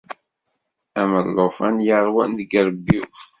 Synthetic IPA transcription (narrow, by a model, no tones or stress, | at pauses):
æməlːofænjəɾˤwænðəɡɾəbːi